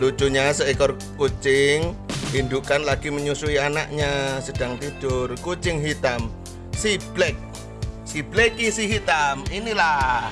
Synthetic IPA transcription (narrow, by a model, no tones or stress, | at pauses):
lut͡ʃuɲasəʔekɔr | kut͡ʃɪŋind̪ukanlaɡ̥iməɲusuianaʔɲasəd̥aŋt̪id̥ʊrkut͡ʃɪŋɦit̪am | sib̥lɛk̚ | sib̥lekisiɦit̪aminila